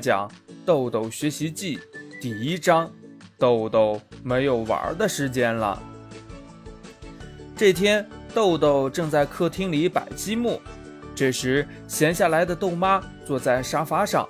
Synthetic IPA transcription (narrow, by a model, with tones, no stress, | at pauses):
t͡ɕjɑ̰˨˩˦ŋt̪o˥˧ʊt̪o˥˩ʊɕɥɛ˧˥ɕi˧˥t͡ɕi˥˩t̪i˥˩i˥ʈ͡ʂɑ˥ŋt̪o˥˧ʊt̪o˥˩ʊme˧˥ɪjo˨˩ʊwə̰˞˧˥d̪ə˧ʂɻ̩˧˥t͡ɕjɛ˥nlə̰˩ | ʈ͡ʂɤ˥˩t̪ʰjɛ˥nt̪o˥˧ʊt̪o˥˩ʊʈ͡ʂɤ˥˧ŋt͡sa˥˧ɪkʰɤ˥˩t̪ʰi˥ŋli˧˥pa̰˨˩ɪt͡ɕi˥mu˥˩ | ʈ͡ʂɤ˥˩ʂɻ̩˧˥ | ɕjɛ˧˥nɕja˥˩la˧˥ɪd̪ə˧t̪o˥˩ʊma˥t͡swɔ˥˧t͡sa˥˩ɪʂa˥fa˧˥ʂɑ̰˥˩ŋ